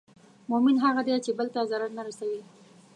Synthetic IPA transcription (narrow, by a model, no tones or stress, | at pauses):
mʊmɪnɦaɣad̪et͡ʃebəlt̪azaɾaɾnaɾasawi